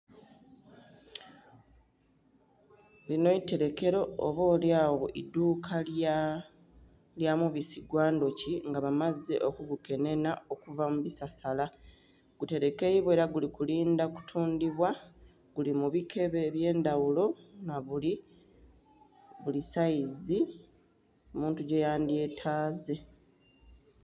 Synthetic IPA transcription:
lino̞ite̞ɾe̞ke̞ɾo̞ːβo̞ːljaːwoʔiduːkʰal | ljamuβisiɡwaːndo̞ciŋɡaβamaze̞ʔo̞kuɡuke̞ne̞nao̞kuvamuβisasala | ɡ̥ute̞ɾeke̞jiβwe̞ːɾaɡulikuliːndaku̥tʰuːndiβwa | ɡ̥ulimuβikʰe̞βe̞ːβje̞ːndawulo̞naβuli | βulisaizi | omuːntuɟe̞jaːndie̞tʰaːze̞

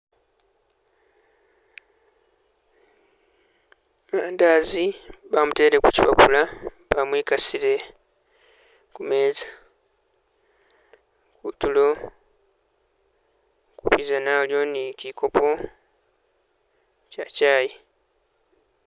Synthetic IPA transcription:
maːndaːziβamute̞ːɾekucipapula | βamwiːkasiɾe̞ | kume̞ːzḁ | kutulo̞ | kuβizanaljo̞nicikʰo̞pʰo̞ | cacaːji

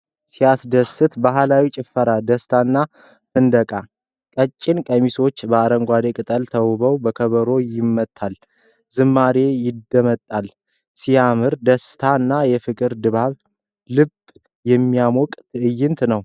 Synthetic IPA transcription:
siasd̪əsɨt̪baɦlawit͡ʃʼɪfəɾad̪əst̪ʰanːa | fɨnd̪əkʼa | kʼət͡ʃʼːɪnkʼəmiso̞t͡ʃːbəaɾəŋɡʷad̪ekʼɨt̪ʼəlt̪ʰəwβəwbəkʰəβəɾo̞jɪmːət̪ʼʰːal | zɨmːaɾe̞jɪd̪ːəmət̪ʼːal | sijamɨɾd̪əst̪ʰaɨnːajɛfɨkʼɨɾd̪ɨβaβ | lɨb | jɛmːijamɔkʼt̪ʰɨʔɨjːɪnt̪ʰnəw

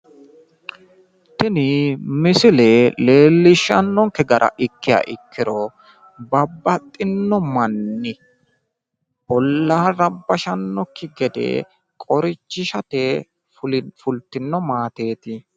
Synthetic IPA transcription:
t̪ɪnɪmɪsɪlele̞ːlːɪʃɐnːɔŋkɛɡɐɾʔɐ̰ʔɪkːɪja̰ːʔɪkːɪɾɔ | bɐbːɐt̪ʼːɪnːɔmɐnːɪ | ʔɔlːaːɾɐbːɐʃɐnːɔkːɪɡɛd̪ḛ | kʼɔɾɪt͡ʃːɪʃɐt̪e | ʊfʊlt̪ːɪnːɔmaːt̪e̞ːt̪ɪ

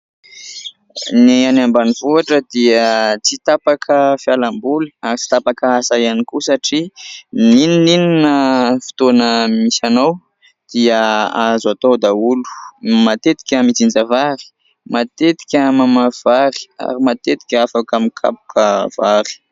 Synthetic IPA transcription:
neanambaniv̥uaʈ͡ʂəd̪iət͡sit̪apakʰəfjalambuliaɾit͡si̥t̪apakaasajanikusaʈ͡ʂinininininəfi̥t̪onəmisanaw | d̪̥iəazat̪owd̪aulu̥mat̪et̪i̥kʲəmit͡sind͡zəvaɾi̥ | mat̪et̪i̥kʲəmamav̥aɾi̥a̰ɾimat̪et̪i̥kʲafakəmikʰa̰pu̥kʰəv̥aɾi̥

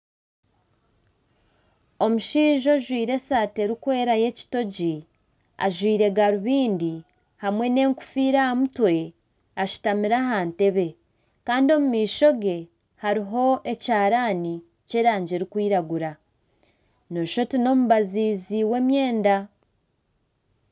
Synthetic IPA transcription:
o̞muʃiːʒo̞ʒwiːɾe̞saːte̞ɾikwe̞ːɾaje̞ci̥to̞ɟi | a̰ʒwiːɾe̞ɡaɾuβiːndi | hamwe̞ne̞ːŋku̥fiːɾahamutwe̞ | aʃu̥tamiɾaɦaːnte̞βe̞ | kaːndio̞mumiːʃo̞ɡe̞ | haɾiɦo̞ʔe̞caːɾaːni | ce̞ːɾaːɲɟeɾikwiːɾaɡuɾa | no̞ʃo̞tino̞muβaziːziwe̞mje̞ːnda

